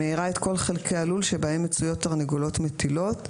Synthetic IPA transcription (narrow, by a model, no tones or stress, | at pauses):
eiʁaet̪ko̞lχelkʰealulʃebaemːet͡sujo̞tːaʁneɡolo̞tmet̪ilo̞t